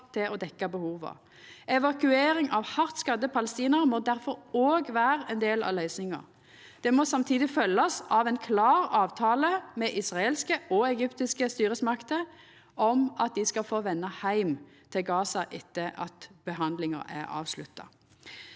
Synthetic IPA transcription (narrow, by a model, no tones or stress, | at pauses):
t̪ʰɪlʔɔd̪ɛkːɑbəhuːʋə̰ | ɛʋɑkʉeːɾɪŋɑʋhɑʁt̪skɑd̪ːəpʰɑləst̪iːnəʁmɔd̪æɾfɔɾoːɡʋæːɾəɛnd̪eːlɑ̰ʋlœʏsnɪŋɑ̰ɾ | d̪̥ɛmɔsɑmt̪ʰiːd̪ɪfœlːɑsɑʋɛnkʰlɑːʁɑːʋt̪ʰɑːləmɛʔɪsʁɑelskəɔɛɡʏpt̪ɪskəst̪yːɾəsmɑkt̪ə | ɔmɑt̪̚d̪ɪskɑfoːʋɛnːɑhæɪmt̪ʰɪlɡɑːsɑʔɪt̪ːəʔɑ̰t̪b̥əɦɑnd̪lɪŋə̰ɾæ̰ʁɑ̰ːʋslʉ̰t̪ːɑ̰